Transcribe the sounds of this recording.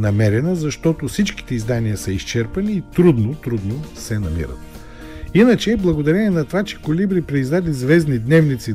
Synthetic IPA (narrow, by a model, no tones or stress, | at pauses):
nɐmɛɾɛnəzɐʃt̪ɔt̪ofsit͡ʃki̥t̪ɛizd̪aniəsɐiʃt͡ʃɛɾpɐniːt̪ɾud̪not̪ɾud̪nosɛnɐmḭɾə̰t̪ | inət͡ʃɛblˠɐɡod̪ɐɾɛnʲɛnɐt̪ovat͡ʃɛ̥kolibɾipɾɛizd̪ad̪izvɛzd̪nid̪nɛvnit̪si